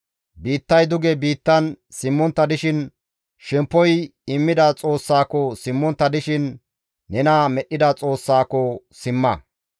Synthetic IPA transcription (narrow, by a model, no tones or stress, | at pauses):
biːt̪ːɐjd̪ʊɡɛbiːt̪ːɐnsɪmːɔnt̪ːɐd̪ɪʃɪn | ʃɛmpːɔjɪmːɪd̪ɐt͡sʼo̞ːsːaːkɔsɪmːɔnt̪ːɐd̪ɪʃɪnː | ɛnaːmɛɗːɪd̪ɐt͡sʼo̞ːsːaːkɔ | sɪmːɐ